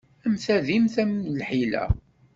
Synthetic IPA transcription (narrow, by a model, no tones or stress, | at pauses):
æmθæðimθæmlħilæ̰